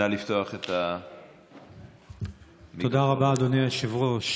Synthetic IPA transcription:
alift̪oaχet̪a | mod̪aʁabaːd̪oneaʃivʁoʃ

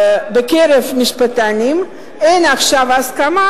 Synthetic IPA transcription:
bekeʁevmiʃpat̪anim | enaχʃavaskama

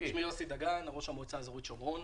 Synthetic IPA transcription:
ʃmiasid̪aɡanaʁoʃamot͡sazʁuitʃomʁon

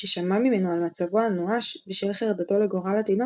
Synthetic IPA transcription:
eʃamamimenoalmat͡savoanoaʃbiʃvilχeʁad̪at̪o̞leɡoʁalat̪ema

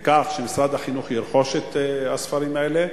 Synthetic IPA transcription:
kaχʃemisɾad̪haχinuχjiɾχo̞ʃet̪hasfaɾimaele

